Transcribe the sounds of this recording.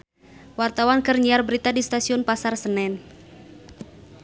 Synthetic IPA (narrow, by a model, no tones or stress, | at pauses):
wart̪awankərɲiarbəɾit̪adist̪asiʊnpasarsənɛn